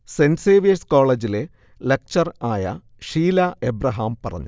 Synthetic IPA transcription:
senseːʋijɐsko̞ːɭed͡ʑile | lek̚t͡ɕɐraːjɐ̰ | ʂiːlaebrɐɦaːmpɐrɐ̰ɲːu

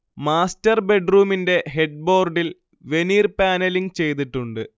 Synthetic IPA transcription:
maːstɐrbe̞ɖruːminde̞ɦeɖ̚bo̞ːrɖil | ʋe̞niːrpaːnɐliŋɡt͡ɕe̞jt̪̬iʈːuɳɖɨ

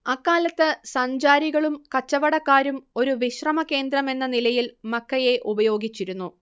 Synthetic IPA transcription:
ɐkːaːlɐt̪ːɨsɐɲd͡ʑaːɾiɣɐɭumkɐt͡ɕːɐʋɐɽɐkːaːɾumo̞ɾuʋiɕrɐmɐke̞ːnd̪ɾɐme̞nːɐnilɐjilmɐkʰːɐje̞ʔubɐjo̞ːɡit͡ɕːiɾunːu

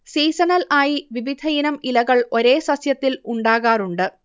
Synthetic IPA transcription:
siːsɐnɐlaːjiʋiʋid̪ʱɐjinɐmilɐɣɐɭo̞ɾe̞ːsɐsjɐt̪ːiluɳɖaːɣaːruɳɖɨ

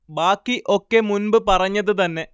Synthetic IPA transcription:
baːkːiʔo̞kːe̞munbɨpɐrɐɲːɐðɨt̪ɐnːe̞

